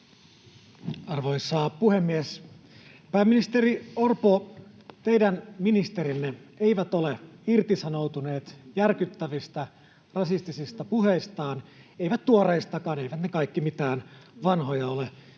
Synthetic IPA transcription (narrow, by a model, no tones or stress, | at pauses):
ɑrʋo̞jsɑːpuhemːies | pæːmːinist̪eɾiorpo | t̪e̞jdænminist̪e̞ɾinːeeiʋæt̪oleirt̪isɑno̞wt̪une̞ːt̪jærkyt̪ːæʋist̪æ | rɑsist̪isist̪ɑpuhe̞ist̪ɑːnejʋæt̪t̪ːuoreist̪ɑkɑːnejʋæt̪nekɑjkːimit̪æːnʋɑnɦojɑo̞le